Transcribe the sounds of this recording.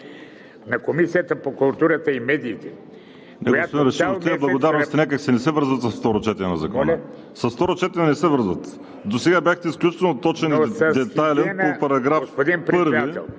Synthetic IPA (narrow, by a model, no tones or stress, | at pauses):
nɐkomisijət̪əpokulˠt̪uɾət̪əimɛd̪iːt̪ɛ | nɛɡjospod̪inɾɛʃit̪iɛblˠɐɡod̪aɾnost̪ɐnakəksɛnɛsɛvəɾzvət̪sɐsft̪ɔɾot͡ʃɛt̪ɛnɛnɐzɐkɔnɐ | sɐst̪ɔɾot͡ʃɛt̪ɛɛnɛsɛvɤɾzvət̪ | d̪osɛɡabjaxt̪ɛisklʲut͡ʃi̥t̪ɛlˠnot̪ɔt͡ʃɛnid̪ɛajlɛnopɐɾɐɡɾafofspod̪inpɾpəɾvɛd̪iɛlˠ